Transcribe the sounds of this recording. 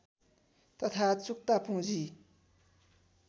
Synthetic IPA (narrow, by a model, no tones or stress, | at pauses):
t̪ʰət̪ʰat͡sʰoχ̚t̪apʰoŋʑi